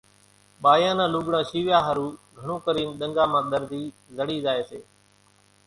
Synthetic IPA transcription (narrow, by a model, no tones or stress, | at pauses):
ɓaːjãːnãːluːɠɽãːʃiːʋjaːɦəɾuːɡʱəɳõːkəɾiːnɗ̪əŋɡaːmãːɗ̪əɾd̪ʱiː | zəɽiːzaːeːseː